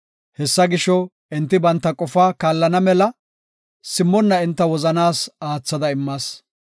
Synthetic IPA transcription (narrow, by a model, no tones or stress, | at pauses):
hɛsːɐɡɪʃɔ | ɪnt̪ːɪbɐnt̪ːɐkʼɔfaːkaːlːɐnɐmɛlɐ | sɪmːɔnːɐɪnt̪ːɐwɔzɐnaːsaːt͡sːɐd̪ɐɪmːaːs